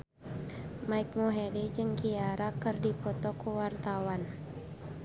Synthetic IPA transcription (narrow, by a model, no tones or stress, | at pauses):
maik̚muɦɛdɛd͡ʒɨŋkiaɾakərdipɔt̪ɔkuwart̪awan